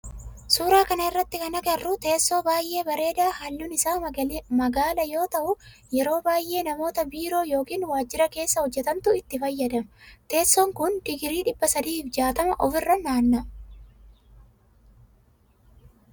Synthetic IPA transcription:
suːɾaːkɐnɐɪrːɐt̪ːɪkɐnɐɡɐrːut̪e̞ːsːo̞ːbaːjʔe̞ːbɐɾe̞ːd̪aːhɐlːʊnɪsaːmɐɡaːlɐjo̞ːt̪ɐʔʊjɛɾo̞ːbaːjʔe̞ːnɐmo̞ːt̪ɐbiːɾo̞ːjo̞ːkiːnwaːd͡ʒːɪɾɐke̞ːsːɐhɔd͡ʒːɛt̪ɐnt̪ʊɪt̪ːɪfɐjːɐd̪ɐmt̪e̞ːsːɔŋkʊnd̪ɪɡɪɾiːᶑɪbːɐsɐd̪iːfd͡ʒaːt̪ɐmɐʔɔfɪrːɐnaːnːɐ

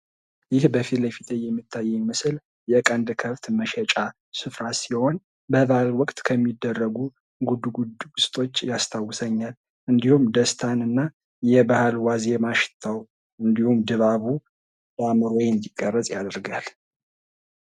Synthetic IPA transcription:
jɪhbəfit̪ləfit̪ʰʼəjːɛmːit̪ʰːajːɛmɨsl | jɛkʼənd̪kʰəft̪məʃɛt͡ʃʼa | sɨfɾasiho̞n | bəβalwɔkʼt̪ʼkʰəmːid̪ːərːəɡu | ɡud̪uɡud̪ɡusʼt̪ʼʰo̞t͡ʃːjast̪ʰawːʊsəɲːal | ɨnd̪ihumd̪əst̪ʰanɨnːa | jɛbahalwazemaʃɪ̥t̪ʰːaw | ɨnd̪ihumd̪ɨβaβu | bamɨɾojɛnd̪ikʼːərːəsʼjad̪ɨɾɡal

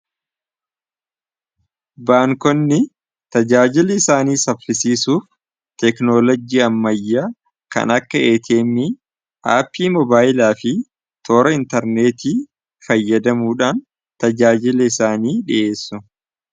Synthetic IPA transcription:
baːŋkɔnːɪ | t̪ɐd͡ʒaːd͡ʒɪlɛɪsaːniːsɐffɪsiːsuːf | t̪ɛknolɔd͡ʒiːɐmːɐjːaː | kɐ̰nɐkːɐeːt̪ʰeːmːɪ | ʔaːpʰːiːmɔbaːjɪlaːfɪ | t̪ʰoːɾɐɪnt̪ɐɾneːt̪iː | fɐjːɐd̪ɐmuːᶑaːn | t̪ɐd͡ʒaːd͡ʒɪlɛɪsaːniːᶑɪʔe̞ːsːʊ

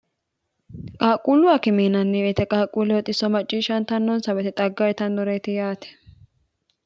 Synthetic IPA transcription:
kʼaːkʼuːlʊwɐkɪmiːnɐnːɛɛt̪ɛkʼaːkʼuːlɛwɔt̪ʼɪsːɔmɐt͡ʃʼːiːʃɐnt̪ɐnːɔnsɐbɛt̪ɪt̪ʼɐɡːɐjt̪ɐnd̪ɔɾɛjt̪ɪjaːt̪ɛ̥

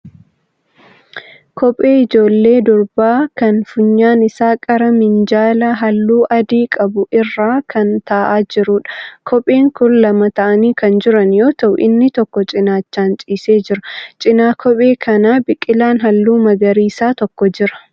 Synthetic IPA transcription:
kʰɔpʼe̞ːɪd͡ʒo̞ːlːe̞ːd̪ɔɾbaːkɐnfʊɲːaːnɪsaːkʼɐɾɐmɪnd͡ʒaːlɐɦɐlːuːʔɐd̪iːkʼɐbʊʔɪrːaːkʰɐnt̪aːʔaːd͡ʒɪɾʊᶑɐ̥kʰɔpʼeːŋkʊnlɐmɐt̪ɐʔɐniːkɐnd͡ʒɪɾɐnjo̞ːt̪ɐʔʊ̰ʔɪnːɪt̪ɔkːɔt͡ʃʼɪnaːt͡ʃːaːnt͡ʃʼiːse̞ːd͡ʒɪɾɐt͡ʃʼɪnaːkʰɔpʼe̞ːkʰɐnaːbɪkʼːɪlaːnɦɐlːuːmɐɡɐɾiːsaːt̪ɔkːɔd͡ʒɪɾɐ̥

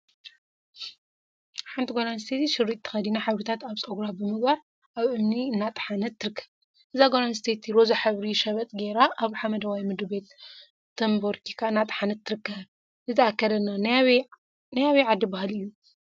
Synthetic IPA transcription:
ħant̪ʰiɡonanst̪ʰet̪ʰiʃɪrːit̪ʰːɨ̥xɐd̪inaħaβɾit̪ʰat̪aβt͡sʼɐɡɾabɨmɨɡbaɾ | ʔaβʔɨmniɨnːat̪ʼħanɐt̪ʰːɨɾɨkʰːɐ̥β | ʔɨzaɡonanst̪ʰet̪ʰiɾozaħɨβɾiʃɐβɐt̪ʼɡeɾaʔːβħamɐd̪ɐwajmɨd̪ɨbe̞t̪ | t̪ʰːɐmboɾkʰikʰaɨnːat̪ʼħanɐt̪ʰːɨɾɨkːɐββ | nɨt̪ʰɐakːɐɾɐnːan | najawiʕad̪ːibahɨlɨjːu

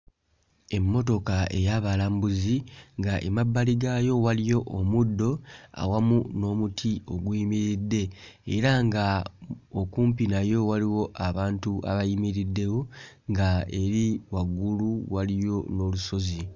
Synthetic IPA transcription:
e̞mːo̞to̞kae̞̰jaβalaːmbuziŋɡaʔḛmabːaliɡajo̞walijo̞ʔːmudːo̞a̰wamuno̞ːmutʰio̞ɡwimiɾidːe̞ː | ɾaŋɡaokuːmpinajo̞waliwo̞ʔaβaːntuʔa̰βajimiɾidːe̞wo | ŋɡae̞ɾiwaɡuluwalijo̞no̞luso̞zi

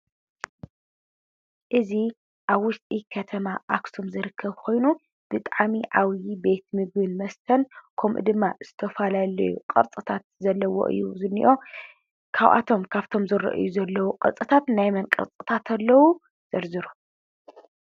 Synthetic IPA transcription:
ʔɨzi | ʔaβwʊst̪ʼikʰɐt̪ʰɐmaʔaksumzɨɾɨkʰːɐβkʰo̞jnu | b̥ɨt̪ʼʕamiʕawjibe̞t̪mɨɡbɨnmɐst̪ʰɐnkʰɐmʔṵd̪ɨmːaz̥ɨt̪ʰɐfɐlalɐ̰jṵqʼɐ̰ɾt͡sʼɨt̪ʰat̪̚zɐlːɐwo̰ʔɨ̰jːuzɨnːḭʔo̞ | kʰaβʔa̰t̪ʰo̞mkʰaβt̪ʰo̞mzɨɾɐ̰ʔɨ̰juzɐlːɐwuqʼɐ̰t͡sʼɨt̪ʰat̪najmɐnkʼɨ̰ɾt͡sʼɨt̪ʰat̪ʰɐlːɐwu | z̥ɐɾzɨɾu

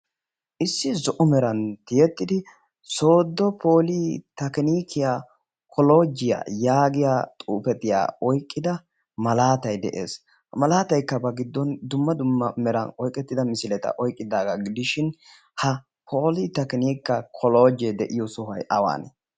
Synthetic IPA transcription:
ʔɪsːɪzɔʔɔmɛɾɐnt̪ɪjɛt̪ːɪd̪ɪ | so̞ːd̪ːɔpʰoːlit̪ɐkɪniːkʰːɪjaː | kʰɔlo̞ːd͡ʒɪja̰ːjaːɡɪjaːt̪ʼuːpɛt̪ɪja̰ːɔjkʼːɪd̪ɐ | mɐlaːt̪ɐjd̪ɛ̰ʔe̞̰ːs | hɐmɐlaːt̪ɐjkːɐbɐɡɪd̪ːɔnd̪ʊmːɐd̪ʊmːɐmɛɾɐ̰nɔjkʼːɛt̪ːɪd̪ɐmɪsɪlɛt̪ɐ̰ʔɔjkʼːɪd̪aːɡɐɡɪd̪ɪʃɪn | hɐ | pʰo̞ːlit̪ɐkɪniːkːɐkʰɔloːd͡ʒɛd̪ɛʔɪjɔsʊhɐ̰jʔɐwa̰ːnɛ̰

